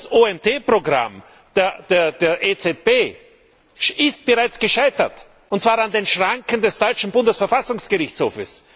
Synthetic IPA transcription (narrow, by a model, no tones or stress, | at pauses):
sʔoːɛntʰeːpʁoɡʁa̰m | d̥eɐd̥eːɐdeːɐʔeːt͡seb̥eː | ɪst̚b̥əʁaɪt͡sɡ̥əʃaɪtɐt | ʊntt͡sv̥aːʁandeːnʃʁaŋkən̩dɛsd̥ɔʏt͡ʃn̩bʊndəsfɛɐfasʊŋsɡ̥əʁɪçt͡sho̰ːfəs